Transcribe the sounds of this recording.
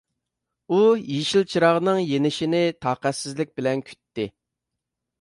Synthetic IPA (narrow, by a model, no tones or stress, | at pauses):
ujiʃilt͡ʃʰiɾɑʁnɨŋjenɪʃinɪt̪ʰɑːqæt̪sɪzlɪk̚ʲbɪlɛnkʲʰy̥t̪ʰːɪ